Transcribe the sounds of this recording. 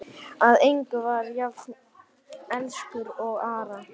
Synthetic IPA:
aðejŋkʏvaɾjav | ɛnskʏɾɔɣaːɾa

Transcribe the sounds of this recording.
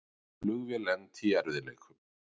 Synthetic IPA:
lʏɣvɛlɛnt̪ʰiɛɾvðɪleːjkʰʏm

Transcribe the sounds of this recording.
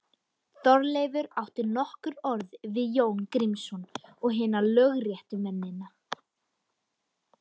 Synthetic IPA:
θɔɾleːjvʏɾawht̪ɪɾnɔhkʏɾɔɾðvɪðjoːwnkɾimsɔnɔɣɦɪːnalœɣrjɛht̪ʏmɛnːɪna

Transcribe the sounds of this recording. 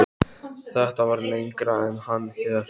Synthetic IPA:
θɛht̪avaɾnejŋkɾaɛnhanːhɛða

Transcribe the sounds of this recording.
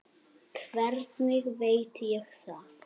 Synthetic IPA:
kʰvɛɾt̪nɪɣvejt̪jɛxθa

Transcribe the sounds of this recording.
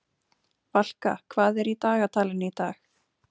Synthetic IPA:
val̥ka̰kʰvaːðɛɾit̪aːɣat̪ʰaːlɪnːɪit̪aːx

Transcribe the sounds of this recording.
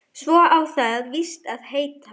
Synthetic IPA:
svɔːʔawθaðvist̪aðheːjt̪a

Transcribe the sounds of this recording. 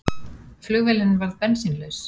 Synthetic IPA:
flʏɣvɪlɪnvaɾðpɛnsinlœɥs

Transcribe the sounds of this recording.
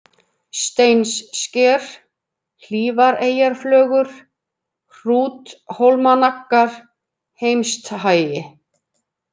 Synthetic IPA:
st̪ejnsːcɛːɾ̥ | l̥iːvaɾeːjaɾ̥flœːɣʏɾ̥ | r̥uːt̪howlmanakːaɾ̥ | hejmst̪ɦaːjɪ

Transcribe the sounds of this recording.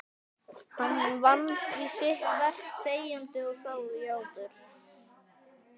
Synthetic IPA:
hanhanvant̪isɪht̪vɛr̥kseːjant̪ɪɔsaːwðʏjaːwt̪ʏɾ̥

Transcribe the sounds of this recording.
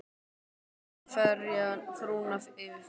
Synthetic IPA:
fœɾjafɾuːnafɪvɪ

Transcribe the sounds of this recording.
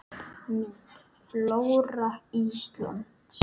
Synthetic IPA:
mit̪ | plowɾaist̪la̰nt̪

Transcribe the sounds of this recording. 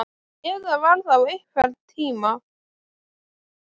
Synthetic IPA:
ɛðavaɾθawejhkvɛɾt̪ʰiːma

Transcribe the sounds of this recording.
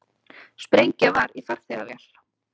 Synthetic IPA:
spɾejɲcavaɾifaɾ̥θɛɣa̰vjɛ̰l̥

